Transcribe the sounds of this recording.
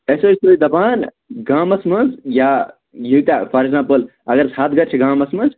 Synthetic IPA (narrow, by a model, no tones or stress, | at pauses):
esoːisoːid̪ɐbaːn | ɡãːmɐsmɐnzja | jit̪apʰɐɾeɡzãːmpəl | ɐɡəɾsaːt̪̚ʰɡɐɾt͡ʃʰiɡãːmɐsmɐnz